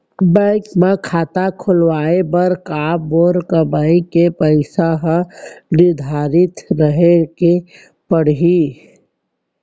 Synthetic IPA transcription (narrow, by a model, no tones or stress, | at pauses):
bə̃ɪkmakʰaːt̪akʰʊlwaːebəɾkaːbɔːɾkəbaːikepəɪsaɦəɾɪd̪ʱaːɾɪt̪ɾəɦeke | pəɽ̤ɦi